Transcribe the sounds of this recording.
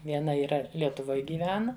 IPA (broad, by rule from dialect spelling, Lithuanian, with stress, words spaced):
ʋʲiɛˈnɐ iːˈrɐ lʲiɛtʊˈʋoːj ɡʲiːˈʋʲæːnɐ